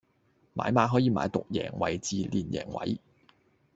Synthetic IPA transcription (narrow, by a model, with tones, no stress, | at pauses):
ma̰ː˨˥jmaː˨˧˥ɦɔː˨˥jiː˨˧ma̰ː˨˧˥jt̪ʊ˨k̚jɛ̰ː˨˩ŋwɐ˨˩jt͡siː˨˧liː˨˩njɛ̰ː˨˩ŋwɐ̰˨˧˥j